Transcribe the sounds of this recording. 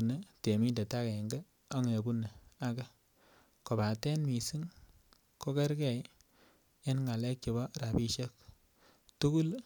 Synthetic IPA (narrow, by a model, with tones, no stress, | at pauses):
u˨ne˦te˨mi˦nde˨ta˦kɛ˨ŋɡɛ˦ | a˦ŋne˨ku˦ne˨a˦ka˦ | ko˨ba˨tɛ˦nmi˨si˦ŋ | ko˦kɛ˦ɾkɛ˨j | e˦nŋa˨lɛ˦k̚t͡ʃo˨bɔ˦ɾa˨pi˦ʃe˦k̚ | tu˦ɡu˦l